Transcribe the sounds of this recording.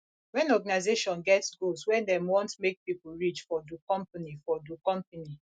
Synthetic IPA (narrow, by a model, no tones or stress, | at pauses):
wɛ̃nɔɡanaɪzeʃɔ̃nɡɛtsɡolswɛdɛ̃mwɔ̃ntmek̚pipuɹit͡ʃfɔdukɔ̃mpanifɔdukɔ̃mpani